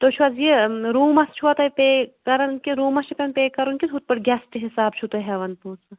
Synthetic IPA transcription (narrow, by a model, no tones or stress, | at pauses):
t̪ot͡ʃʰuɐzjiɾuːmɐst͡ʃʰuɐt̪ɐjpeːkɐɾɐnkiɾuːmɐst͡ʃʰipʲɐnpeːkɐɾunkʲit̪ɦut̪̚pɐʈɡʲɛsʈɨɦisaːbt͡ʃʰut̪oɦɛʋɐnpuːsɐ